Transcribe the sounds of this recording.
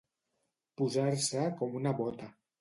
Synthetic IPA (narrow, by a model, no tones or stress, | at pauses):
puzaɾsəkɔmunaβɔt̪a